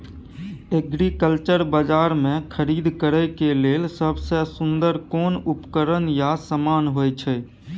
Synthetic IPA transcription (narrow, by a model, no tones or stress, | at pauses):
eɡɾikəlt͡ʃəɾbəd͡ʒaːɾmẽkʰəɾiːd̪kəɾəkeleːlsəbsesʊnd̪əɾkoːnʊpkəɾənjasəmaːnɦoːjt͡ʃʰɛ